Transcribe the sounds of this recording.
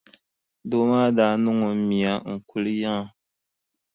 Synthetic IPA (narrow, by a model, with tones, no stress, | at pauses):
do˦ma˦da˨˦nu˦ŋɔ˨˦mi˨a˨ŋ̩˨ku˨lɨ˦ja˦ŋ˨